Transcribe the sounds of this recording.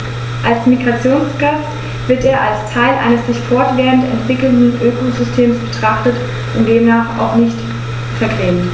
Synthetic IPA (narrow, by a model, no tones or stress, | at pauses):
ʔalsmiɡʁat͡sjoːnsɡ̥at͡s | v̥ɪɐteːɐʔalstʰaɪlʔa̰ɪnəszɪçtfɔɐtv̥eːʁəntɛ̰ntv̥ɪkl̩ndn̩ʔøːkozʏstʰeːmsb̥ətʁ̥aχtət | ʔʊntd̥eːmnaːχa̰ʊxnɪçt | fɛɐɡʁeːt